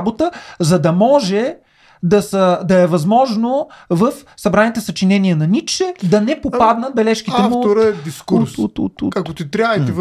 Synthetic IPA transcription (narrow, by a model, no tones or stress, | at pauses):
bot̪əzɐd̪ɐmɔʒɛ | d̪ɐsəd̪ɐɛvɐzmɔʒnovəfsɐbɾanit̪ɛsɐt͡ʃinɛniənɐnit͡ʃɛd̪ɐnɛpopad̪nət̪̚bɛlɛʃk̟it̪ɛafmut̪oɾəɛd̪iskuɾst̪ṵt̪ɐkot̪it̪ɾʲaəi